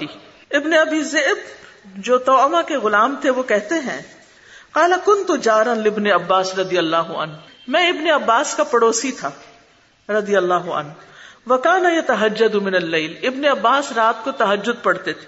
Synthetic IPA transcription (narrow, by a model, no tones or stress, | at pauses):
i | ɪbneɐbiːzeːbd͡ʒoːt̪ɔːmakeɣʊlaːmt̪ʰeʋokɛɦt̪eɦɛ̰̃ː | qaːlakʊnt̪ud͡ʒaːɾanlɪbneɐbːaːsɾɐd̪ijɐlːaːɦʊɐ̰nɦ | mɛ̃ɪbneɐbːaːskapɐɽoːsit̪ʰaː | ɾɐd̪ijɐlːaːɦʊɐ̰nʋɐkaːnɐjɐt̪ɐɦɐd͡ʒːɐd̪umɪnɐlːeːlɪbneɐbːaːsɾaːt̪̚kot̪ɐɦɐd͡ʒːʊd̪̚pɐɽt̪et̪ʰe̥